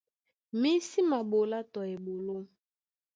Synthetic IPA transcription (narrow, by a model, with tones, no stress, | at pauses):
mi˦si˦ma˨ɓo˨la˦tɔ˨e˨bo˨lo˦